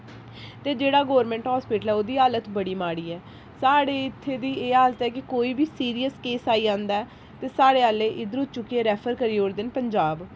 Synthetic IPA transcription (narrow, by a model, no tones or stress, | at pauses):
t̪eːd͡ʒeːɽaːɡɔːɾmɛ̃ːɳʈɦaːspɪːʈəlɛːoːd̪iːɦaːlət̪bəɽiːmaːɽiːɛː | saːɽeːɪt̪ʰːeːd̪iːeːɦaːlət̪ɦɛːkɪkoːiːbiːsiːɾijəskeːsaːiːãːnd̪aːɛː | t̪eːsaːɽeːɦaːleːʔɪd̪ɾʊt̪t͡ʃʊkːieːɾɛːpʰəɾkəɾiːɦoːɾd̪ɪnpəɲd͡ʒaːb